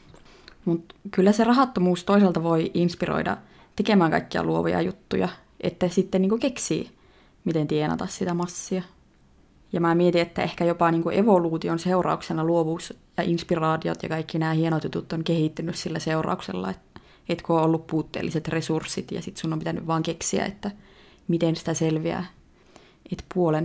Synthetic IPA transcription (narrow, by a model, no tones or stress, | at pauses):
mut̪kylːæserɑɦɑt̪ːomuːst̪oiselt̪ɑʋoiʔinspiro̰idɑ̰ | t̪ekemæːŋkɑ̰ikːiɑ̰luoʋojɑ̰jut̪ːujɑ | ʔet̪ːæsit̪ːenniːŋkukeksḭː | mit̪ent̪ienɑ̰t̪ɑssit̪æmɑsːiɑ | jɑmæːmiet̪iet̪ːæehkæjopɑniːŋkuʔeʋoluːt̪ionseurɑ̰uksenːˑɑluoʋuːsjɑʔinspirɑːt̪io̰t̪jɑ̰kɑikːinæːhienot̪jut̪ut̪ːoŋkehit̪ːynyssilːæseurɑ̰uksḛlːɑ̰et̪ | et̪kooːolːuppuːt̪ːḛːlːiset̪resursːit̪jɑ̰sit̪sunːompit̪æny̰ʋʋɑːŋkeksiæ̰ḛt̪ːæ | mit̪ensi̥t̪æselʋiæ̰ | et̪puolen